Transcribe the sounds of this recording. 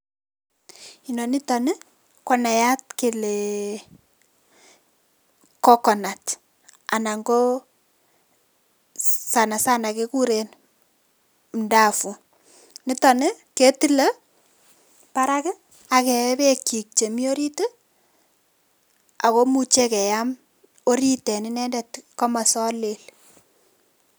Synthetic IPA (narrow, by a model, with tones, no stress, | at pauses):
i˨nɔ˨ni˦tɔ˨ne˦ | kɔ˨na˨ja˦tke˨le˨ | kɔ˦kɔ˨na˨t | a̰˨na˨ŋɡo˦ | sa˨na˨sa˦na˨ke˦ku˦ɾen˨ | nda˦˨fu˨ | nɪ˦ta˨ne˦ke˦ti˦le˦ | pa˦ɾa˦kɪ˦ | a˨kɛ˨˦βe˦ki˨k̚t͡ʃe˨mi˦o˦ɾi˦te˦ | a˨ko˦mu˨t͡ʃe˦kɛ˨ja˦m | o˦ɾi˦tɛ˨nɪ˦nɛ˦ndɛ˦tkɔ˦ma˨sɔ˦le˨l